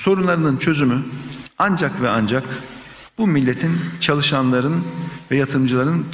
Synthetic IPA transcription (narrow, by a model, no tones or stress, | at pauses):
so̞ɾunlˠaɾɯnɯnt͡ʃʰø̞zymyand͡ʒakvɛand͡ʒak | b̥umilʲːet̪ʰint͡ʃʰalˠɯʃanlˠaɾɯnvɛjat̪ʰɯmd͡ʒɯlˠaɾɯn